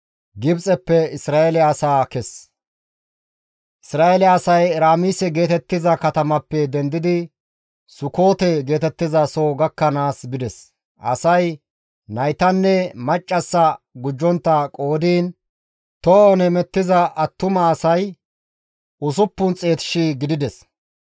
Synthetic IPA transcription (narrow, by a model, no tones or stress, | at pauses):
ɡɪbt͡sʼɛpːɛɪsɾaːɛlːsaːkɛs | ʔɪsɾaːɛlɪɐːsɐjɾaːmiːsɛɡe̞ːt̪ɛt̪ːɪzɐkɐt̪ɐmɐpːɛd̪ɛnd̪ɪd̪ɪ | sʊko̞ːt̪ɛɡe̞ːt̪ɛt̪ːɪzɐsoːɡɐkːɐnaːsbɪd̪ɛs | ʔɐ̰sɐj | nɐjt̪ɐnːɛmɐt͡ʃʼːɐsːɐɡʊd͡ʒːɔnt̪ːɐkʼo̞ːd̪iːn | t̪ɔɔnɛmɛt̪ːɪzɐɐt̪ːʊmɐːsɐj | ʔʊs̬ʊpːʊnt͡sʼe̞ːt̪ɪ̥ʃiɡɪd̪ɪd̪ɛs